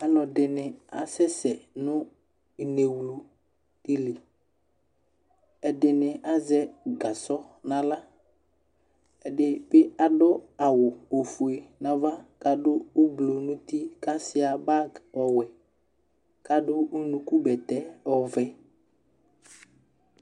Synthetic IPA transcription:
a˨nɔ˨dɪ˨nɪ˨a˨sɛ˦sɛ˨nʊ̃˦ | i˨ne˨wlu˨ | d̥ɪ˨lɪ˨ | ɛ˨dɪ˨nɪ˨a˦zɛ˦ɡa˨sɔ˦nã˦la˦ | ɛ˨dɪ˨bɪ˦a˨dɔ˦a˨wʊ˨o˨fu˨e˨nã˨va˦ka˨dʊ˦ʊ˦blo˨nʊ̃˦t̪i˦ka˦sɪ˦a˨ba˦ɔ˨wɛ˨ | ka˦dʊ˦ʊ˦nũ˨ku˦bɛ˨tɛ˦ɔ˨vɛ˦

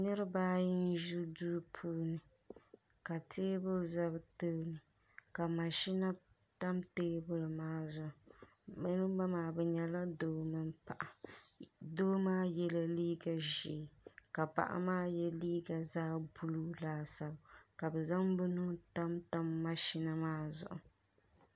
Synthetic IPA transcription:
nɨ˦ɾɨ˦baː˦jɪ˦n˦ʒu˦du˦pʰuː˦nɨ˨ | ka˨teː˦bʊ˦za˦bto˦nɨ˨ | ka˨ma˨ʃi˦na˦ | ta˦mteː˦bʊ˦lɨ˨maː˦zʊ˨ | bɛ˦nɨ˦ba˦maː˨˦bɛ˨ɲɛ˨la˦doː˦mɨ˦npa˨ʔa˨ | doː˦maː˦jɛ˦la˦liː˦ɡa˨ʒi˨ka˨pa̰˨ʔa̰˨maː˦jɛ˦liː˦ɡa˨zaː˦bu˦lu˦laː˦sa˦bka˨bɛ˨za˦mbɨ˦nu˦ta˦mta˦mːa˨ʃi˦na˦maː˦zʊ̰˨ʔʊ̰˨

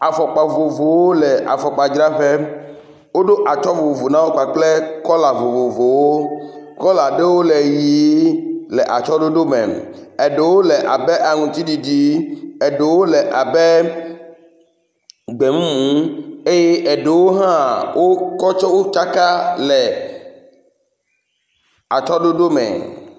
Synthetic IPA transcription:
a˨fɔ˨k͡pa˨vo˨vo˨wo˦lɛ˨ʔa̰˨fɔ˨k͡pa˨d͡ʒɾa˦ɸe˦ | wo˦ɖo˦ʔa˨t͡ʃɔ˦vo˨vo˨vo˨nã˦wo˦ka˨k͡ple˦kɔ˦la˨vo˨vo˨vo˨wo˦kɔ˦la˨ɖe˦wo˦le˨ji˨˦lɛ˨ʔa˨t͡ʃɔ˦ɖo˦ɖo˦mɛ̰̃˨ | ɛ˨ɖe˨wo˦lɛ˨ʔa˨bɛ˦ʔa˨ŋũ˨t̪i˦ɖi˨d͡ʒi˦ɛ˨ɖe˨wo˦lɛ˨ʔa˨bɛ˦ | ɡ͡be˨mũ˦mũ˨˦e˦je˦ʔɛ˨ɖe˨wo˦ɦã˦wʔo˦kɔ˦t͡ʃɔ˦wo˦t͡ʃa˦ka˦lɛ˨ | a˨t͡ʃɔ˦ɖo˦ɖo˦mɛ̰̃˨

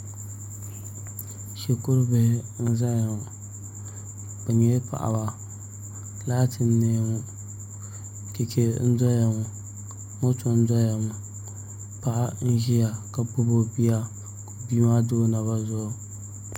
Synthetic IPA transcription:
ʃe˨kʊ˦ɾbɪ˨hɪ˦n̩˦za˦ja˨ | b̥ɨ˨ɲe˦pa̰˨ʔa̰˨ba˨ | laː˦tʰɨ˨n̩ː˦eː˦ŋʊ˦ | ke˨kʰe˦n̩˦dɔ˦ja˨ŋʊ˨ | ŋo˦to˨n̩˦dɔ˦ja˨mʊ˨ | pa˦ʔa˦n̩˦ʒi˦ja˨ka˨pʊ˦bo˦bi˦ja˦ | ko˨biː˦ma˦do˦na˨ba˦zʊ˦˨

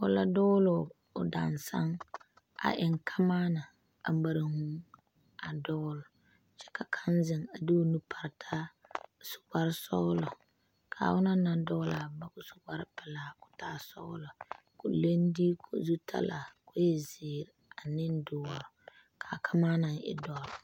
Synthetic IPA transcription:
ʊ˨la˦dɔ˦lʊ˨ | ʊ˨da̰˨nsa˦ŋ | a̰˨ʔɪ˨ŋkʰa˦maː˦na˨ | a̰˨˦ba˨ɾa˨hʊ˦ŋ | a˨dɔ˦lʊ˨ | t͡ʃɛ̥˦ka˨kʰa˦nzɪ˨ŋa˨dɪ˦o˦nu˦pʰa˨ɾtʰa˦sʊ̥˨ba˦ɾsɔ̰˦lɔ˨ | kʰa̰˨wʊ˦na˦na˨dɔ˦la˨ba˨kʊ˦sʊ̥˨ba˦ɾɪ˦pɪ˨la˨kʊ̥˨ta˦sɔ̰˦lɔ˨ | kʊ˨le˦n˦di˦kʰo̰˨zu˦tʰa̰˦la˨kʊ˦jɛ˦zɪː˨ɾa˨nɪ˦n˦dʊ˨wɔ˨ɾ | kʰa˨kʰa˦maː˦na˨ŋɪ̰˨dɔ˦ɾ

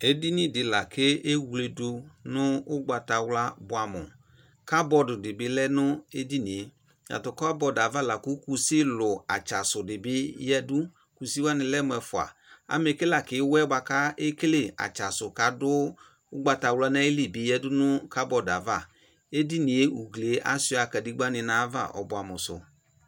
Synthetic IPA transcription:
e˦di˦ni˦˨dɪ˧la˨kʰɪ˦e˦wu˨˧le˧du˧nʊ˦ʊ˦ɡ͡ba˧ta˧wla˦bʊ˦a˨mʊ̰˨ | ka˦bɔ˧dʊ˨dɪ˨bɪ˨˦lɛ˦nʊ˦e˦di˦nĩ˨e˨ | ja̰˨tʊ˨kɔ˦a˦bɔ˧da˨va˦˨la˨ku˨˦ku˧si˦lʊ˨a˨t͡ʃa˨sʊ˨dɪ˨bɪ˦jɛ˦dʊ˦ | ku˨si˦wa˦nɪ˧lɛ˦mʊ˧ɛ˨fʊ˨a̰˨a̰˦m˦e˧kɪ˦la˨kɪ˨˦wɛ˦ba˧ka˦e˦kle˦˨a̰˨t͡ʃa˨sʊ˨ka˨˦dʊ˦ | ʊ˦ɡ͡ba˧ta˨wla˦nɛ˦ɪ˦li˦˨bɪ˨˦jɛ˦dʊ˦nʊ˦ka˦bɔ˨da˨va˦˨ | e˦di˦ni˨e˦u˨ɡle˨˦ʔa̰˦si˧˦a˨ka˨di˦ɡ͡ba˦nɪ˧na˨˦va̰˦˨ʔɔ̰˨bʊ˨a˨mʊ˨sʊ̰˨

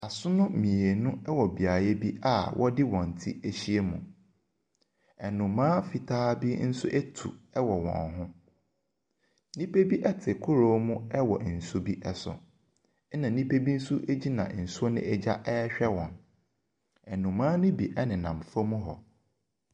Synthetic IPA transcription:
a˨sʊ˦nʊ̃˦mĩ˨e˨nʊ̃˦ɛ˦wɔ˨bi˨a˨jɛ˦bi˦ʔa˦˨wʔɔ˦dɪ˦wɔ̃˨n̩˨tʰi˦e˦ɕi˦e˦mṵ̃˨ | ɛ˨nʊ̃˨mãː˦fi˨tʰaː˦bi˦n̩˦sʊ̰˦ʔɛ˦tʰṵ˨ɛ˦wɔ˨wɔ̰̃˨nɦʊ̃˦ | nĩ˦pe˦bi˦ʔɛ˦tʰɪ˨kʰʊ˦ɾo˦mũ˦ɛ˦wɔ̰˨n̩˨su˦bi˦ʔɛ˦˨sʊ̰˨˦ | nã˨nĩ˦pe˦bi˦n̩˦su˦ʔe˦d͡ʑi˦nã̰˨n̩˨so˦nɪ̰̃˦ɛ˦d͡ʑa˦ʔɛ˦ɕᶣɛ˦wɔ̃˨n | ɛ˨nũ˨mãː˦nʊ̃˦bi˨ʔɛ˦nɪ̃˨nã̰˨m˨fɔ˦mũ˦ɦɔ˨

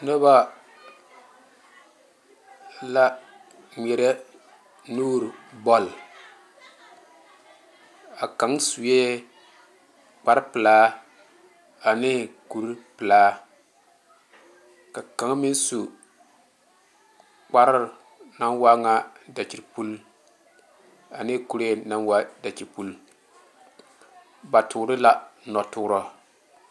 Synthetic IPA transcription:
no˦ba˦ | la˦ | mɛ˨ɾɛ˦ | nuː˦ɾbɔ˦l | a˨ka˨˦ŋsu˨je˦ | k͡pa˦ɾpɨ˨laː˦ | a˨nɪː˦ku˨ɾpɨ˨laː˦ | ka˨ka˨˦ŋ˦mi˦n˦su˨ | k͡pa˦ɾɪ˦˨ | na˦nwa˦ŋa˦da˨t͡ʃi˨ɾpu˦l | a˨nɪː˦ku˨ɾe˦na˦nwa˦da˨t͡ʃi˨ɾpu˦l | ba˨tʊ˨ɾɪ˦la˨nɔ˨tʊː˦ɾɔ˨

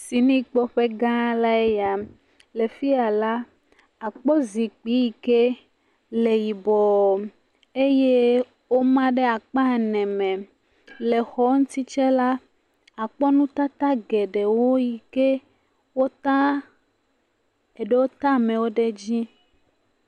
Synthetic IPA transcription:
si˨nĩ˦k͡pɔ˦ɸe˦ɡã˦la˦e˦ja˨ | le˨fi˦a˨la˦ | a˨k͡pɔ˦zi˨k͡pi˦ji˨ke˦ | le˨ji˨bɔ˨ | e˦je˦ | wo˦mã˦ɖe˦a˨k͡pa˦˨nɛ̃˨mɛ̃˨ | le˨xɔ˦ŋũ˦t̪i˦t͡ʃe˦la˦ | a˨k͡pɔ˦nũ˦t̪a˦t̪a˦ɡe˨ɖe˨wo˦ji˨ke˦ | wo˦t̪a˦ | e˨ɖe˦wo˦t̪a˦˨mɛ̃˨wo˦ɖe˦d͡ʑi˦

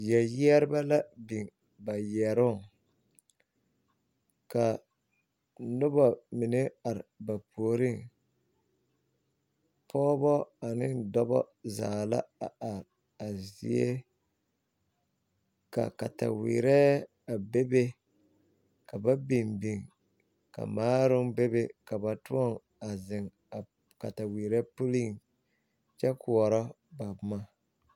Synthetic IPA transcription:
jɛ˨jɛ˦ɾɪ˦ba˦la˦bi˨ŋ | ba˨jɛ˨ɾʊ˦˨ | ka˨ | nʊ˦ba˨mi˨ne˦a˨ɾɪ˨ba˨pʰoː˨ɾi˦˨ŋ | pʰɔː˦bɔ˦a˨nɪ˦ndɔ˦bɔ̰˦zaː˨la̰˦a˨a˨ɾ | a˨zḭ˨˦e˦ | ka̰˨ka̰˨ta̰˨wḭː˨ɾɛ˦ | a˨be˦be˦ | ka˨ba˦bi˨mbi˨ŋ | ka̰˨maː˦ɾʊ˦ŋbe˦be˦ka˨ba˨tʊ˦ɔ˦˨ŋ | a˨zɪ˨ŋ | a˨ | ka˨ta˨wiː˨ɾɛ˦pu˦li˦˨ŋ | t͡ʃɛ˦kʰu˨ɔ˨ɾɔ˦ | ba˨bma˦

